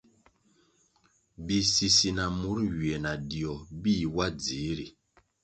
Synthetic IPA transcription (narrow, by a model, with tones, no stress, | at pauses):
bi˨si˨si˨na˨mu˨˦ɾɥi˨e˨na˨di˨ɔ˨bi˦˨wa˦d͡zi˨˦ɾi˨